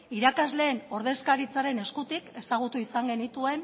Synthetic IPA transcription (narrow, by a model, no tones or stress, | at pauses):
iɾakazle̞ːno̞ɾðe̞skaɾit͡saɾe̞ne̞skut̪ike̞saɣ̞ut̪uisaŋɡe̞nit̪ue̞n